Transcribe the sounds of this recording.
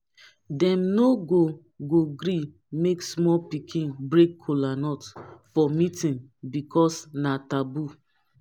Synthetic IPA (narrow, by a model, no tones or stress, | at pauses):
dɛ̃mnoɡo | ɡoɡɾi | meksmɔpikʰĩnbɹekʰːolanɔtfɔmĩtĩnbikʰɔsnatabu